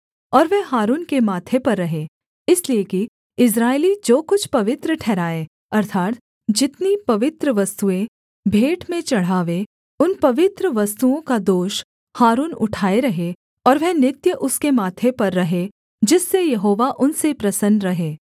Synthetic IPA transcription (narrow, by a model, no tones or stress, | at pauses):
ɔːɾʋɛɦaːɾuːnkemaːt̪ʰepɐɾːɐɦeː | ɪslieki | ɪs̬ɾaːelid͡ʒoːkʊt͡ʃʰpɐʋɪt̪ɾəʈʰɛːɾaːe | ɐɾt̪ʰaːt̪ | d͡ʒɪt̪nipɐʋɪt̪ɾəʋɐst̪uẽ | bʱeːʈmẽt͡ʃɐɽ̤aːʋe | ʊnpɐʋɪt̪ɾəʋɐst̪uõkad̪oːʃ | haːɾuːnʊ̰ʈʰaːeɾɐɦe | ɔːɾʋɛɦnɪt̪jəʔʊskemaːt̪ʰepɐɾːɐɦe | d͡ʒɪsːejɐɦoːʋaʔʊnsepɾɐsənɾɐɦeː